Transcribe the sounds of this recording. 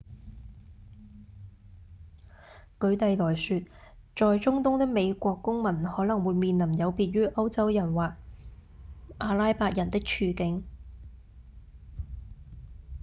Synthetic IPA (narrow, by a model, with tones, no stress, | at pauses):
kɵ˨˧ɥt̪ɐ˨jlɔː˨˩jsyː˧t̚t͡ʃɔː˨jt͡sʊ˥ŋt̪ʊ˥ŋt̪ɪ˥k̚me˨˧jkʷɔː˧kːʊ˥ŋmɐ˨˩nhɔː˨˥lɐ˨˩ŋwuː˨˧jmiː˧nlɐ˨˩mjɐ˨˧wpiː˧t̚ɥyː˥ʔɐ˥wt͡sɐ˥wjɐ˨˩nwaː˨˩k̚ | ʔaː˧laː˥jpaː˧k̚jɐ˨˩nt̪ɪ˥k̚t͡ʃʰyː˨˧kɪ˨˥ŋ